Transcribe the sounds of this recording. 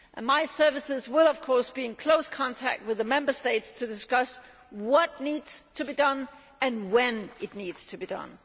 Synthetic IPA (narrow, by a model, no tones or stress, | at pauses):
ʔə̃nmaɪsɜ˞vɨsɪzwɪlˠʌv̥kʰɔɹsb̥iɨ̃nkʰl̥oʊskʰɑ̃ntʰæ̰k̚t̚wɨðəmɛ̃mbə˞steɪtstʰɨdɨskʌs | wʌt̚ⁿnidz̥tʰɨbidʌ̃n | ɨ̃nwɛ̃nɨtⁿniːdz̥tʰɨbidʌ̰̃n